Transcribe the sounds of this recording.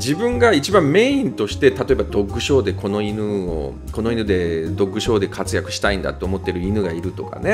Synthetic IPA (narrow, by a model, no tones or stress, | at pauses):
d͡ʑibɯ̟̃ŋɡait͡ɕibãmme̞ːĩnt̪o̞ɕi̥t̪e̞t̪at̪o̞e̞bad̪o̞kːɯ̟ɕo̞ːd̪e̞ko̞no̞inɯ̟o̰ | ko̞no̞inɯ̟d̪e̞d̪o̞kːɯ̟ɕo̞ːd̪e̞kʰat͡sɨjakɯ̟ɕi̥t̪aĩnd̪a̰t̪ːo̞ːmo̞t̪ːe̞ɾɯ̟inɯ̟ɡaiɾɯ̟t̪o̞ka̰ne̞